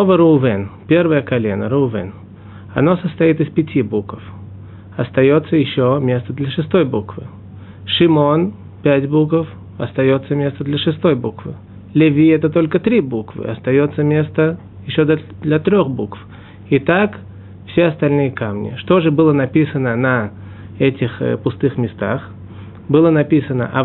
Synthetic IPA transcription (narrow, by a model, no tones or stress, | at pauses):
ovəɾɨːvɛnpʲe̞rvəjəkɐlʲe̞̰nə̰ɾɨʊvɛ̰n | ɐ̰no̞səst̪ɐit̪ɨspʲɪtʲibukəf | ɐst̪ɐjo̞t̪səjɪɕːomʲe̞st̪əd̪lʲəʂɨst̪o̞jbukvɨ̰ | ʂɪmo̞n | pʲætʲbukəf | ɐst̪ɐjo̞t̪səmʲe̞st̪əd̪lʲɐʂɨst̪o̞jbukvɨ̰ | lʲɪvʲiɛt̪ət̪o̞lʲkət̪ɾʲibukvɨ̰ɐst̪ɐjo̞t̪səmʲe̞st̪ə | jɪɕːod̪ | d̪lʲɐt̪ɾʲoxbukf | ɪt̪ak | fsʲeɐst̪ɐlʲnɨjəkamnʲɪ̰ʂt̪o̞ʐɨbɨlˠənɐpʲisənənɐ | ɛtʲɪxpʊst̪ɨxmʲɪst̪a̰x | bɨlˠənɐpʲisənə̰ʔɐ